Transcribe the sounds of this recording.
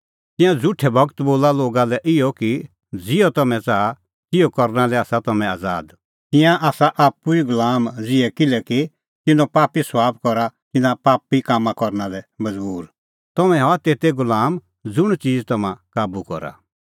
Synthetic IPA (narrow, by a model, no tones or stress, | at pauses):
t̪ɪ̃jãd͡zʊʈʰɛbɐɡt̪boːlaloːɡalɛʔɪɔki | d͡zɪɔt̪ɔmɛ̃t͡saːa | t̪ɪjɔkɔɾnalɛaːsat̪ɐmɛ̃aːd͡za̰ːd̪ | t̪ɪ̃jãʔaːsaʔaːpuiɡʊlaːmd͡zɪɛkɪlɛki | t̪ɪnɔ̃paːpisʋaːbkɔɾat̪ɪnãpaːpːikaːmãkɔɾnalɛmɐd͡zbuːɾ | t̪ɔmɛ̃ɦat̪eːt̪ɛɡʊlaːm | d͡zʊɽ̃t͡siːd͡zt̪ɐmãkaːbukɔ̰ɾa̰